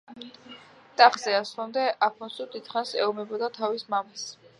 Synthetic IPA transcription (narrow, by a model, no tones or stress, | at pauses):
t̪ʼaχzɛaslˠɔmd̪ɛʔapʰmɔnsud̪it̪χansɛ̰ɔmɛbɔd̪at̪ʰavismamas